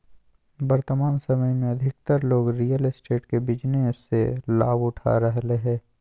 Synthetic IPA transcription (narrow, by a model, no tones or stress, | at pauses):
bɐɾt̪əmaːnsɐməjmẽɐd̪ʱɪk̚t̪əɾloːɡɾijəlsʈeːʈkebɪd͡ʒneɪsːela̰ːbʊʈʰa̰ɾɐɦleɦɛ̃ː